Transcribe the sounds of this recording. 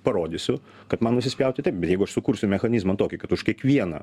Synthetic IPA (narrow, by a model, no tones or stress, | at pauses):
pɐɾoːd̪ʲisʲʊ | kɐt̪mɐnnʊʃsʲɪsʲpʲjɛʊt̪ʲɪt̪ɐɪp̚bʲɛt̪jɛɪɡʊɐʃsʊkʊɾʲsʲʊmʲɛxɐnʲizmɐnt̪oːkʲɪkɐt̪ʊʃkʲiɛkʋʲiɛnɐ̰